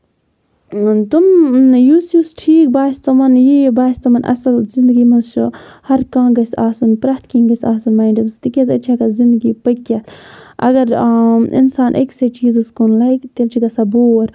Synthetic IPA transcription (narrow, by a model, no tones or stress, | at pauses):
t̪umjusjusʈʰiːk̚baːst̪ɐmɐnjibaːst̪ɐmɐnʔɐ̰sɐlzind̪ɡiːmɐzt͡ʃʰuhɐɾkãːɡɐsaːsunpɾɐt̪kiːŋɡɐsaːsunmaːjɳɖɐmst̪ikʲɐzɐ̰t͡ʃʰakɐzind̪ɡipɐkːɐt̪ʔɐ̰ɡɐɾḭnsaːnʔḛkset͡ʃiːzuskunlɐjkt̪elt͡ʃʰiɡɐsaboːɾ